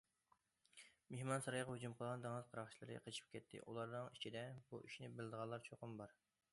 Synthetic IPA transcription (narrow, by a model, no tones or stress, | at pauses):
mehmɑnsɑɾɑjʁɑhud͡ʒumqʰəlˠʁɑnd̪ɑŋəzqʰɑɾɑχt͡ʃʰilˠɨɾɨ̰qʰət͡ʃʰi̥p̚kʲɛt̪ʰːɪ̰ʔulˠɑɾnɨŋit͡ʃʰid̪ɛbuʔiʃnɪbɪlɪd̪əʁɑnlˠɑɾt͡ʃʰoqəmbɑɾ